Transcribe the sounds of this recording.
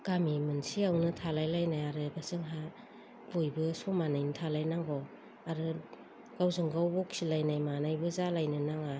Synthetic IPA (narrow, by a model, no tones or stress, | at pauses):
ɡ̥amimɯnsiawnɯtʰalajlajnajaɾɯbasɯŋɦa | bojbɯsɔmanajnɯtʰalajnaŋɡɔ | aɾɯ | ɡ̥awzɯŋɡawbɔk̚silajnajmanajbɯzalajnɯnaŋa